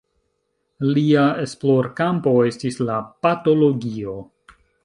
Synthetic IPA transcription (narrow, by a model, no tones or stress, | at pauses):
liae̞sploɾkampo̞e̞stislapato̞lo̞ɡio̞